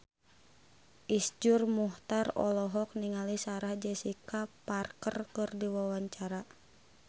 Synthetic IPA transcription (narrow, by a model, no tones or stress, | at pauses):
ʔisd͡ʒurmuht̪arɔ̰lɔɦɔk̚niŋalisaɾahd͡ʒɛsikaparkərkɨrdiwawaɲt͡ʃaɾa